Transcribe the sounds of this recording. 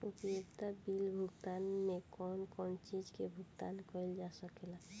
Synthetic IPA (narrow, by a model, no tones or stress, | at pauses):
upjekt̪abilbʱuɡt̪anmekɔnkɔnt͡ʃid͡ʒkebʱuɡt̪ankɔild͡ʒasəkela